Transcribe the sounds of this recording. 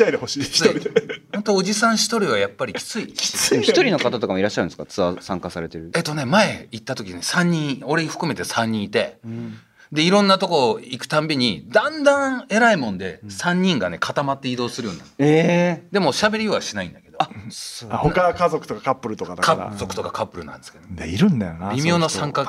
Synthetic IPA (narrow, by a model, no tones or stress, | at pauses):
aid̪ehoɕiːçʲihont̪oːʑisãɰ̃ɕi̥t̪o̞ɾʲiβ̞ajapːaɾʲikʲi̥t͡sɨii̥çt̪o̞ɾʲino̞kat̪at̪o̞kamoiɾaɕːaɾɯ̟̃nsɨ̥kat͡sɨβasãŋkasaɾe̞t̪e̞ɾɯ̟et̪ːo̞ne̞mae̞it̪ːat̪o̞kʲine̞sãɲ̟ːĩɰo̞ɾeɸɯ̟̥kɯ̟me̞t̪e̞sãɲ̟ːĩit̪e̞̰ | d̪e̞iɾõ̞nːat̪o̞ko̞ːikɯ̟̥t̪ãmbʲiɲ̟id̪ãnd̪ãe̞ɾaimõ̞nd̪e̞sãɲ̟ːĩŋɡane̞kʰat̪amat̪ːe̞id̪o̞ːsɨɾɯ̟jo̞ːnã̰nsed̪e̞mo̞ɕabe̞ɾʲiβaɕinaḭ̃nd̪ake̞d̪o̞ | hokakazokɯ̟̥t̪okakapːɯ̟ɾɯ̟t̪okaakazo̞kɯ̟̥t̪o̞kakʰapːɯ̟ɾɯ̟nã̰nd̪esɨ̥keoiɾɯ̟̃nd̪ajo̰nabʲimʲjo̞ːnosãŋka